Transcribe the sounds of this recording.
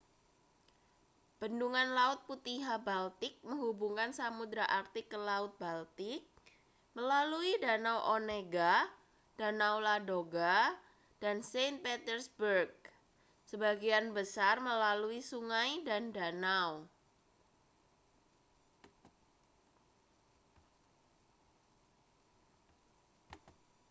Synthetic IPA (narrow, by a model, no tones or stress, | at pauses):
b̥ənduŋanlaʊt̪̚put̪iɦabalt̪ɪk̚məŋɦubuŋkansamud̪ɾaʔart̪ɪkəlaʊt̪̚balt̪ɪk̚ | məlaluidanawʔoneɡa | d̥anawladoɡa | d̥ansen̚pet̪ərsbərɡ̚ | səbaɡianbəsarməlaluisuŋajdandanaw